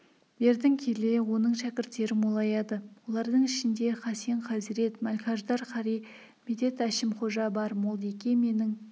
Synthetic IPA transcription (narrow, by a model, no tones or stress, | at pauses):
be̞ɾd̪ɪŋkʲʰe̞le̞wo̞nəɴʃækʲɪɾt̪ːe̞ɾɪmolˠɑjɑd̪əwo̞lˠɑɾd̪əɴɪʃɪnd̪e̞χɑsjeɴqʰɑzɪɾe̞t̪mɑlʲkʲɑʒd̪ɑɾqʰɑɾij | med̪e̞t̪æʃɪmχo̞ʒɑbɑɾmolˠd̪ekʲe̞me̞nɪŋ